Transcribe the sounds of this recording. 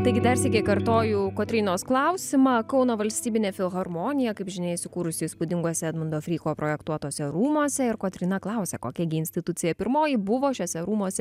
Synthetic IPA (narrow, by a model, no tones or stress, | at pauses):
t̪ɐɪɡʲɪd̪ɐrsʲɛkʲɛkɐɾt̪oːjuːkoːt̪ʲɾʲɪːnoːsklˠɐʊsʲɪmɑːkɐʊnoːʋɐlʲsʲt̪ʲiːbʲɪnʲeːfʲɪlˠɣɐrmoːnʲɪjɛkɐɪpʒʲɪnɐɪsʊkuːɾʊsʲɪspʊd̪ʲɪŋɡuɔsʲɛɐd̪mɐnd̪oːfʲɾʲiːkoːpɾoːjɛkt̪uɔt̪oːsʲɛɾuːmoːsʲɛɪɾkoːt̪ʲɾʲɪnɐklˠɐˑʊsʲɛkoːkʲɛɡʲɪɪnʲsʲt̪ʲɪt̪ʊt̪t͡s̪ʲɪjɛpʲɪɾmoːjɪbʊʋoːʃʲoːsʲɛɾuːmoːsʲɛ